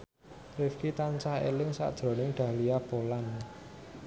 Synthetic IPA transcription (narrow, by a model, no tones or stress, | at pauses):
rɪfkit̪ant͡ʃaḛlɪŋsa̰d̥ʒ̥ɾo̤nɪŋɖ̪̥a̤hliab̥olan